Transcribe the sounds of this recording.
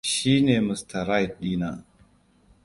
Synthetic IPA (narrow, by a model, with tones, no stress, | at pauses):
ʃi˦ne˨mu˨sta˨ɾa˦jt̚ɗiː˦na̰˨